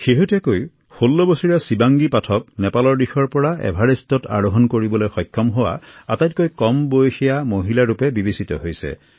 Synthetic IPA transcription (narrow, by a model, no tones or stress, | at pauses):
xeɦutɛkoj | xolːɔbosiɹasibaŋɡipatʰɔknɛpalɔɹdixɔɹpɔɹaɛ̰bʱaɹistɔtʰa̰ɹoɦɔnkoɹibɔlojxɔjkʰːɔmɦowa̰atajt̚kojkɔmbojxijamoɦilaɹupɛbibisitɔ̰ɦojsɛ̰